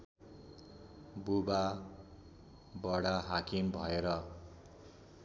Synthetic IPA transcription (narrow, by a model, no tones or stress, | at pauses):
buba | bʌɽaɦakimbʱʌeɾʌ